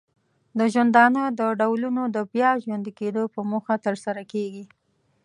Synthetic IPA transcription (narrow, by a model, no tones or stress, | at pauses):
d̪əʒwand̪ɑnəd̪əɖawlunod̪əbjɑʒwand̪iked̪opəmuxat̪əɾsaɾakeɡi